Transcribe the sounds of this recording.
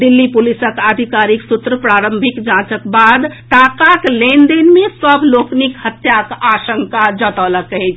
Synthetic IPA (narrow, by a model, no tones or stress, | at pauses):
d̪ilːipulisəkad̪ʱikaɾiksut̪ɾəpɾaɾəmbʱikd͡ʒãt͡ʃəkbad̪ʈ̪akaklend̪inmesəbʱloknikhət̪jakasəŋkad͡ʒət̪ələkəɛt͡ʃʰ